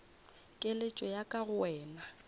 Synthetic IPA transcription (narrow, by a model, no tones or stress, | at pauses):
kʼelet͡ʃʼɔjakʼaɣʊɛːna